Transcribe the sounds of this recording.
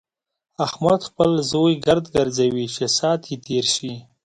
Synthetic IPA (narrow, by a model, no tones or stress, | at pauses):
axmat̪xpəlzojɡaɾd̪ɡaɾzawit͡ʃʰesɑːt̪ʰjet̪ʰeɾʃi